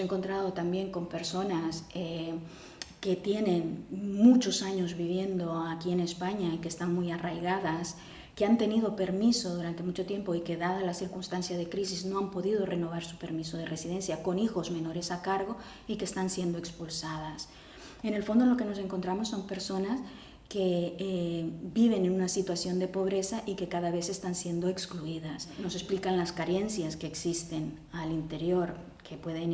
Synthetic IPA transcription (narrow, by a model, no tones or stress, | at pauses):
eŋko̞nt̪ɾað̞o̞t̪ambje̞ŋko̞mpe̞ɾso̞nase | ke̞t̪je̞nẽ̞nmut͡ʃo̞saɲo̞zβiβ̞je̞nd̪o̞akie̞ne̞spaɲaikeːst̪anmujarajɣaðas | keant̪e̞nið̞o̞pe̞ɾmiso̞ðuɾant̪e̞mut͡ʃo̞t̪je̞mpo̞ike̞ðaðalasiɾkunst̪ansjað̞e̞kɾis̬izno̞ampo̞ðið̞o̞re̞no̞β̞aɾsupe̞ɾmiso̞ð̞ere̞siðe̞nsjako̞nixo̞zmẽ̞no̞ɾe̞sakaɾɣo̞ | ike̞ːst̪ansje̞nd̪o̞e̞kspulsaðas | ene̞lfo̞nd̪o̞lo̞ke̞no̞s̬e̞ŋko̞nt̪ɾamosːo̞mpe̞ɾso̞nas | ke̞ | biβe̞nenunasit̪wasjo̞nd̪e̞po̞βɾe̞saʔike̞kaðaβ̞e̞se̞st̪ansje̞nd̪o̞ekskluiðasno̞se̞splikanlaskaɾe̞nsjaske̞ːksist̪e̞n | alint̪e̞ɾjo̞ɾ | kʰe̞pwe̞ðen